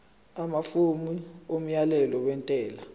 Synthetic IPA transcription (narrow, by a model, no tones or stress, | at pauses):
amafumiom̩jalɛlɔwɛntʼɛːla